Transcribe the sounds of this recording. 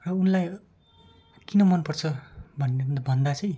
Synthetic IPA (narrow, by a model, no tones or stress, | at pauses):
rʌunlaj | kinʌmʌnpʌrt͡sʰʌbʱʌnebʱʌnd̪at͡sʌj̃